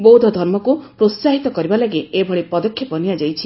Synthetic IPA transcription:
bowd̪ʱɔd̪ʱɔɾmɔkupɾot̪saɦit̪ɔkɔɾibalaɡeebʱɔɭipɔd̪ɔkʰːjɔpɔnijad͡ʒajt͡ʃʰi

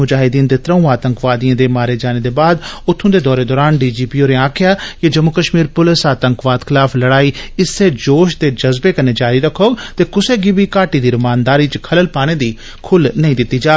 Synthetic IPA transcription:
ʊd͡ʒaːɦɪd̪iːnd̪eːt̪ɾəũːaːt̪əŋkʋaːd̪ijãːd̪eːmaːɾeːd͡ʒaːneːd̪eːbaːd̪ʊt̪ʰːõːd̪eːd̪ɔːɾeːd̪ɔːɾaːnɖiːd͡ʒiːpiːoːɾẽːãːkʰɪjaːkɪd͡ʒəmːʊkəʃmiːɾpʊlɪsaːt̪əŋkʋaːd̪kʰɪlaːpʰləɽaːiːɪsːeːd͡ʒoːʃ̬t̪eːd͡ʒəzbeːkənːeːd͡ʒaːɾiːɾəkʰːoːt̪eːkʊseːɡiːbiːkaːʈiːd̪iːɾʊmaːnd̪aːɾiːt͡ʃkʰələlpaːɽ̃eːd̪iː | kʰʊlnəĩːd̪ɪt̪ːiːd͡ʒaː

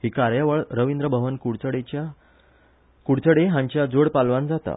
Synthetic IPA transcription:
ɦiːkaɾjaʋəɭɾəʋind̪ɾəbʱəʋənkuɽt͡səɽet͡ɕa | kuɽt͡səɽeɦãɲt͡ɕjad͡zoɽpalʋand͡zat̪a̰

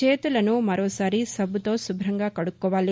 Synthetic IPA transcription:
e̞ːt̪ulɐnumɐɾoːsaːɾisɐbʱut̪o̞ːsubʱɾɐŋɡaːkɐɽukːɔːʋaːli

